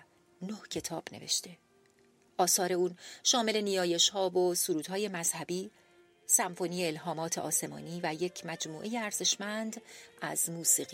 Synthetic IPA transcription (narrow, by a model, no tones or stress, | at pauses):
nohcʰe̞t̪ʰɒːb̥nevḛʃt̪ʰe̞ | ʔɒːsɒːɾe̞uːnʃɒːme̞le̞nijɒːje̞ʃhɒːvosuɾuːd̪̥hɒːje̞mæz̥hæbiː | sæɱfo̞niːjeelɦɒːmɒːt̪ʰeʔɒ̰ːse̞mɒ̰ːniːvæje̞cʰmæd͡ʒmuːʔe̞jeæɾz̥e̞ʃmænd̪ʔæzmuːsiːɣi